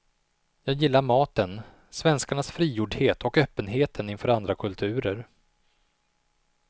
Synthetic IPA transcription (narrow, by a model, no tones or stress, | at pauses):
jɑːɡjɪlːaɾmɑːt̪ən | svɛnskaɳasfɾiːjuːɖheːt̪ʰɔkœːpːənɦeːt̪ʰənɪnfœːɾand̪ɾakʰɵlt̪ʰʉ̟ːɾəɾ